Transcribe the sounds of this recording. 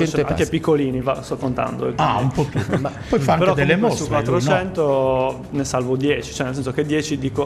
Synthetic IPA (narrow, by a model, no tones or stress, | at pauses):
ɛneaŋkepikːoliːnivast̪ɔkːont̪a̰nd̪o̰ɛaumpɔpjuma | pɔjfaaŋpeɾkd̪elːemosukwat̪ːɾot͡ʃɛnt̪o | nesalvod̪jeːt͡ʃi̥t͡ʃoɛnels̬ɛnsoked̪jɛːt͡ʃid̪iːko